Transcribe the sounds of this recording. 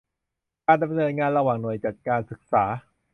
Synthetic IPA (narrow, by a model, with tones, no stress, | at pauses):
kaː˧nda˧mnɤː˧nŋaː˧nɾa˧waː˨˩ŋnu˨˩əjt͡ɕaː˨˩kkaː˧nsɯ˨˩k̚saː˩˦